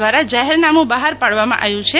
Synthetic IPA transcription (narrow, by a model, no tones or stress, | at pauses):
ʋaɾad͡ʒaɦeɾnamũbaɦaɾpaɽʋamã̰ʔaʋjũt͡ʃʰe